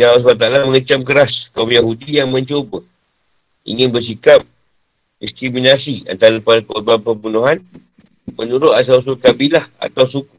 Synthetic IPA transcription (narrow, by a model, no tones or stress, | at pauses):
jaas̬bat̪alaməŋət͡ʃamkəɾaskaumjaɦudijaŋmə̃ɲt͡ʃobə | ḭŋɪ̃nbərs̬ikap̚ | diskɾiminasia̰nt̪aɾəpaɾpobapəbunoɦan | mənuɾʊt̪as̬aws̬ukabilaha̰t̪awsuku̥